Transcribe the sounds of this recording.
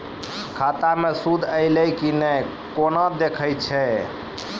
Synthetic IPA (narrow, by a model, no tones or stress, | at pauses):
kʰat̪amesud̪ʱəɪləjkinɛj | konɔd̪ekʰəjt͡ʃʰɛ